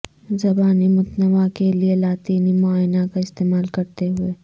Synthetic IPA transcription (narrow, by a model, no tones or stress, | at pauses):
zɐbaːnimʊt̪nəʋakelielaːt̪iːnimʊaːjnakaɪst̪eːmaːlkɐɾt̪eɦʊeː